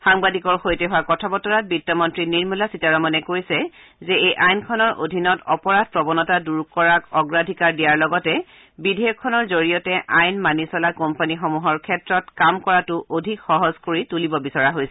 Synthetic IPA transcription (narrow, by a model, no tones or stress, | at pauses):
xaŋbadʱikɔɹxojtɛɦʊwakɔtʰabɔtɔɹat̚bitːɔmɔntɹiniɹmulasitaɹɔmanɛkojsɛ | zɛejʔajnkʰɔnɔɹʔo̰dʱinɔtɔpɔɹad̚pɹɔbɔnɔtaduɹkɔɹakɔɡɹadʱikaɹdijaɹlɔɡɔtɛ | bidʱɛjɔkʰːɔnɔɹzoɹijɔtɛʔajnmanisɔlakɔmpanixɔmuɦɔɹkʰɛtɹɔtkamkɔɹatʊʔodʱikxɔɦɔzkoɹitulibɔbisɔɹaɦojsɛ